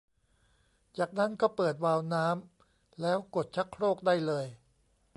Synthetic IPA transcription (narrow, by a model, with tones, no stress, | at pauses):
t͡ɕaː˨˩k̚na˦˥˩nkɔː˥˩pɤː˨˩t̪̚waː˧wnaː˦˥m | lɛː˦˥wko˨˩t̪̚t͡ɕʰa˦˥kʰɾoː˥˩k̚daː˥˩jlɤː˧j